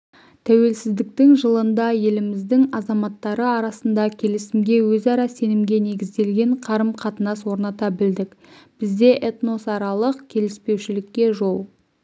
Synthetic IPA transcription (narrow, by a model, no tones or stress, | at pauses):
t̪ʰæwe̞lsɪzd̪ɪk̚t̪ɪŋʒəlˠənd̪ɑje̞lɪmɪzd̪ɪŋɑzɑmɑt̪ːɑɾəɑɾɑsənd̪ɑkʲʰe̞lɪsɪmɡʲe̞wɵzɑɾɑse̞nɪmɡʲe̞ne̞ɡʲɪzd̪e̞lɡʲe̞ɴqʰɑɾəmqʰɑt̪ənɑswo̞ɾnɑt̪ɑbɪld̪ɪkb̥ɪzd̪e̞ʔet̪no̞sɑɾɑlˠəqkʲʰe̞lɪspe̞wʃɪlɪkʲːe̞ʒo̞lˠ